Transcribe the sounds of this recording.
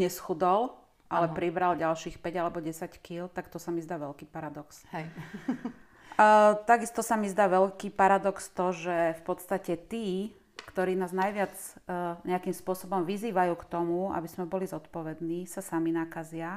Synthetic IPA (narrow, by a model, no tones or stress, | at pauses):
ɲɛsxud̪ɔl | ʔalɛpɾibɾalɟalʃiːxpɛɟalɛbɔɟɛsackilt̪akt̪ɔsamizd̪aːʋɛlkiːpaɾad̪ɔks | t̪aɡist̪ɔsamizd̪aːʋɛlkiːpaɾad̪ɔkst̪ɔʒɛfpɔt̪st̪acɛt̪iː | kt̪ɔɾiːnaːznajʋɪat͡sɲɛakimspʊɔsɔbɔmʋiziːʋajuːkt̪ɔmua̰bizmɛbɔlizɔt̪pɔʋɛd̪niːsasaminaːkazɪa